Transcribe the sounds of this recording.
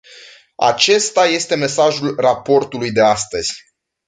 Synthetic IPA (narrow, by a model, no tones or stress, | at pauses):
a̰t͡ʃe̞st̪aje̞st̪e̞me̞saʒulrapo̞rt̪ulujd̪e̞ast̪əz̥ʲ